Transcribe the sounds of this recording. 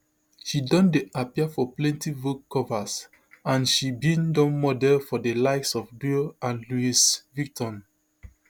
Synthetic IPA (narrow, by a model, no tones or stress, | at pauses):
ʃidɔ̃ndeʔapiafɔplɛ̃ntivukʰːɔvas | ãnʃibĩndɔ̃nmɔdɛlfɔdəlaɪksɔfbilãnluisvik̚tɔ̃n